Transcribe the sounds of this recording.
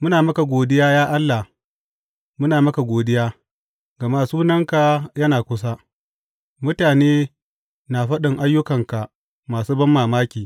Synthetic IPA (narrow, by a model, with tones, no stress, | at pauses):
mʊ˦naː˨mɐ˦ka˨ɡʷoː˨dɪ˦jaː˦jaː˦ʔa˦lːa˨h | mʊ˦naː˨mɐ˦ka˨ɡʷoː˨dɪ˦jaː˦ | ɡɐ˨maː˦suː˦nɐ˦ŋka˨jɐ˦naː˨kʷʊ˦s̬a˦ | mʊ˦taː˨neː˦ | na˨ɸɐ˦ɗɪ˨ŋʔa˦jːʊ˦kɐ˨ŋka˨ʔ | maː˨suː˦bɐ˦mːaː˨maː˦kʲiː˨